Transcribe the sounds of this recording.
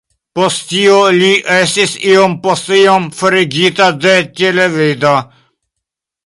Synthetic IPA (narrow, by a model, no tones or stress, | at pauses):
pɔst̪t͡ʃiːoliʔeːsisiompɔst̪iomfəɾiɡiːt̪ad̪ɛt͡ʃeleʋeːd̪a